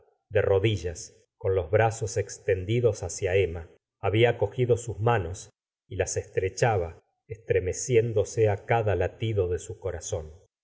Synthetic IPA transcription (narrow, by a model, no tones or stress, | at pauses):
d̪ero̞ðiʒas | ko̞nlo̞zβɾaso̞sekst̪e̞nd̪iðo̞sasjaemaː | βiako̞xiðo̞suzmano̞s | ilasest̪ɾet͡ʃaβa | est̪ɾe̞mesje̞nd̪o̞seakaðalat̪iðo̞ðe̞suko̞ɾaso̞n